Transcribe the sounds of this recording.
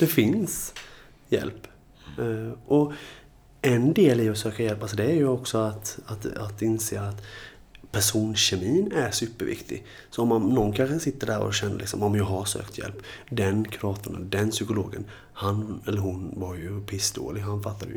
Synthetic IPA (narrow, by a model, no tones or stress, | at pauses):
d̪̥ɛfɪns | jɛ̰lpː | ʔɔ | ɛnd̪eːlɪɔsøːkajɛlpalsɔd̪ɛæɾjɵɔksɔat̪at̪at̪ɪnseːat̪ | pʰæʂuːnɕɛmiːnæɾʂʉːpːəɾvɪ̰kt̪ʰɪ̰ɡ | sɔɔmanɔnkʰanxəsɪt̪ːəɖæɾɔ̰ɕɛnːə̰lʔɪksɔmɔmjɑːɡɦaʂø̰ːkt̪ʰjɛ̰lpːd̪ɛnkʰɾɑːt̪ʰənɛəd̪ɛnsʏkʊloːɡə̰n | hanɛlːəɾɦʊnvaɾjɵpʰɪsd̪o̰ːlɪɡɦanfat̪ːad̪əj